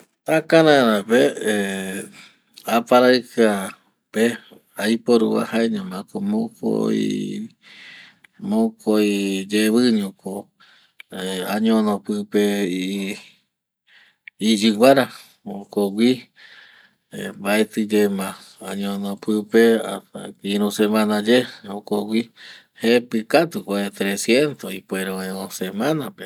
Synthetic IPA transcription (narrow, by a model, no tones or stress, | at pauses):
akãɾãɾãpe | apaɾaɨka | pe | ajpoɾṵβa̰haeɲãmãkomõko̰i | mõkʰoid͡ʒeβɨɲũko | aɲõnõpɨpe | d͡ʒɨwʷaɾa | mõkoɡʷi | baet̪ɨd͡ʒemã | aɲõnopɨpea̰t̪a̰kiɾũsemãnãd͡ʒeokoɡʷi | hepɨkat̪ukʷaet̪ɾesjent̪oipweɾoeosemãnape